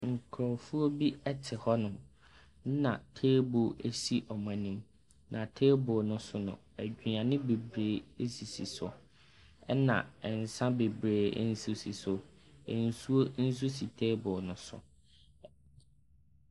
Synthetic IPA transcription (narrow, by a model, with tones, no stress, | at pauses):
ŋ̩˨kʰɾɔ˨fu˦o˦bi˦ɛ˦tʰɪ˨hɔ˦nʊ̃˨˦ | nã̰˨tʰeː˦bo˨e˦si˦ʔɔ˨mã˨nĩ˦m | nʔã˨tʰeː˦bʊː˨nʊ̃˦sʊ˦nʊ̰̃˨ | æ˨d͡ʑᶣi˨ɲã˨nɪ̃˦be˨bɾeː˨˦e˦si˨si˨sʊ̰˨ | ɛ˦nã̰˨ɛ˨n˨sã˦be˨bɾeː˨˦n̩˦su˦si˨sʊ˨ | e˨n̩˦˨su˦o˦n̩˦s̬u˦si˨tʰeː˦bʊ˨nʊ̃˦sʊ̰˨